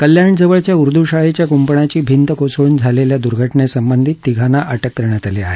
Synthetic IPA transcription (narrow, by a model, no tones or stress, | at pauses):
kəljaɳd͡zəʋəɭt͡ɕjauɾd̪ʱuɕaɭet͡ɕjakumpəɳat͡ɕiːbʱint̪əkosɭuːnd͡zʱaleljad̪uɾɡʱəʈɳesəmbənd̪ʱit̪ːiɡʱanaʔaʈəkːəɾɳjat̪alea̰ɦe